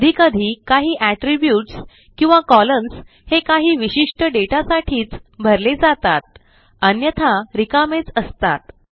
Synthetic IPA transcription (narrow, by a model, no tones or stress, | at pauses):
d̪ʱiːkəd̪ʱiːkaɦiːʔæʈɾibjuːʈs | kĩw̃ʋakɔləns | hekaɦiːʋiɕiʂʈəɖeʈasaʈʰiːt͡sbʱəɾled͡zat̪at̪̚ | ənjət̪ʰaɾikamet͡səst̪at̪